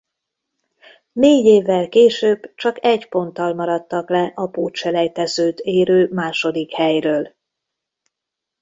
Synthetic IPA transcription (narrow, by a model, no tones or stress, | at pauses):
neːɟeːvːɛlkeːʃøːbt͡ʃɒkɛɟpo̞nt̪ːɒlmɒɾɒt̪ːɒklɛʔɒpoːt̪ʃɛlɛjt̪ɛzøːt̪eːɾøːmaːʃo̞d̪ikhɛjrøːl